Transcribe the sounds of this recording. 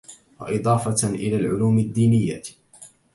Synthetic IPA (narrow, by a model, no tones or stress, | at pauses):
wɑ̰ʔɪd̪ˤɑːfɑʔɪ̰laːlʕʊluːmɪd̪ːiːnɪjːa̰